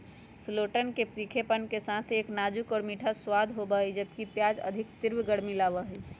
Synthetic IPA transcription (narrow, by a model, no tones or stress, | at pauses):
sloʈənkepɾikʰepənkesat̪ʰeːknad͡ʒukɔːɾmiʈʰaswad̪ʱɦobəid͡ʒəbkipjad͡ʒə̰d̪ʱikt̪iɾʋɡəɽmilaʋəɦəi